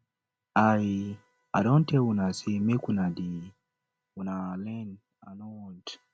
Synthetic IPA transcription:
aji | a̰dõnteunasimekunadi | unalɛn | anont

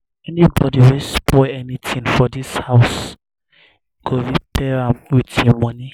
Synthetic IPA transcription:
ɛnibɔdiwispʰɔɛnitʰĩŋfɔdishaʊs | ɡ̥oɹipʰɛɹãmwitĩmɔni

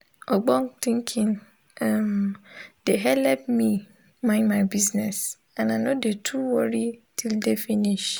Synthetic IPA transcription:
ɔɡ͡bɔ̃ntĩŋkʰɪ̃n | ɛmd̥eɦɛlɛp̚mi | mãɪ̃nmaɪbiznɛs | ãnanõdetʰuwɔɾitʰildefiniʃ

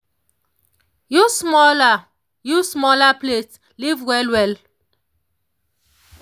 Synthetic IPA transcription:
jusmɔla | jusmɔlaplet | livwɛlwɛl

